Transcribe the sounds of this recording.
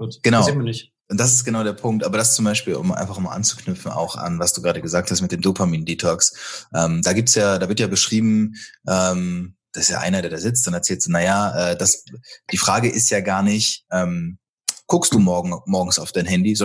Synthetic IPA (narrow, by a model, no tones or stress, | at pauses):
ɡ̥ənaʊnɪç | ʔʊntd̥as̬ɪstɡ̥ənaʊɾeːɐpʰʊŋk̚tʔaːbɐɾast͡sʊmbaɪʃpiːlʊ̰mʔa̰ɪnfaχmaːlʔa̰nt͡su̥knʏpp͡fn̩a̰ʊxa̰nvasd̥uːɡʁaːdəɡəzaːk̚tʰhastmɪtd̥eːmdopʰamiːndiːtʰɔksʔɛːmd̥aːɡiːp̚tsjaːdaːvɪɐtjaːbəʃʁ̥iːbm̩ʔɛːmd̥asɪstja̰ːʔa̰ɪnɐdeːɐɾaːzɪt͡std̥anɛɐt͡sɛːltz̥najaːʔɛːd̥asd̥iːfʁ̥aːɡəʔɪstjaːɡaːɐnɪçʔɛːm | kʰʊkstd̥uːmɔɐɡŋ̩mɔɐɡŋ̩saʊfd̥aɪnɦɛndizɔ